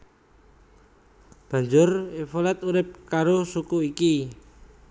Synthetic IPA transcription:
b̥a̤ɲd͡ʒʊrifolɛt̪uɾɪp̚kaɾosukuiki

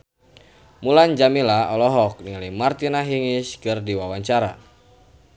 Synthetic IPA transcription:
muland͡ʒamilaɔlɔɦɔk̚nilimart̪inaɦiŋiskɨrdiwawaɲt͡ʃaɾa

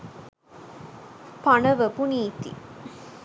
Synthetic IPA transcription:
panɐʋəpuniːt̪ḭ

